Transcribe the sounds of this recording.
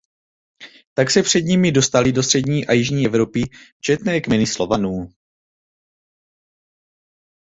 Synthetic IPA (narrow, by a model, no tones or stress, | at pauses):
t̪aksɛpr̝̥ɛd̪ɲɪmɪdo̞st̪alɪdo̞st̪r̝̥ɛdɲiːʔajɪʒɲiːɛvɾo̞pɪt͡ʃɛt̪nɛːkmɛnɪslo̞vanuː